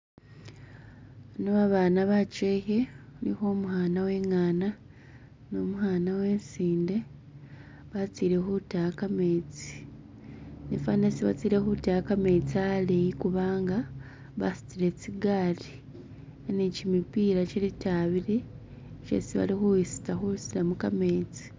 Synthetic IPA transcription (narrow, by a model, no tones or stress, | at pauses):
noβaβaːnaβat͡ʃeçenḭxo̞ːmuhaːnawe̞ːŋaːna | no̞muhaːnawe̞ːnsiːnde̞ | βat͡siɾexutakame̞t͡si̥ | nḭfanesiβa̰t͡siːɾe̞xutajakame̞t͡sialejikuβaːŋɡa | βasi̥t͡siɾe̞t͡siɡaːɾi | nicimipiːɾacelitaβiɾe | cḛsiβa̰lixuwisi̥taxuisiɾamuka̰me̞ːt͡si̥